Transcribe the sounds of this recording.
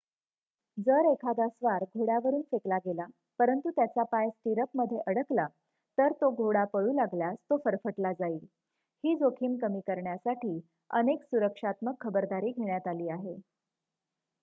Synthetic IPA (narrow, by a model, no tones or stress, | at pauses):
d͡zəɾekʰad̪asʋaɾɡʱoɽaʋəɾuːnfeklaɡela | pəɾənt̪ut̪jat͡sapajsʈiɾəpməd̪ʱːjeʔəɽəkla | t̪əɾt̪oɡʱoɽapəɭuːlaɡljast̪ofəɾfəʈlad͡zaiːl | hiːd͡zokʰiːmkəmiːkəɾɳjasaʈiː | ə̰neksuɾəkʂat̪məkʰːəbəɾd̪aɾiːɡʱeɳjat̪aliːaɦe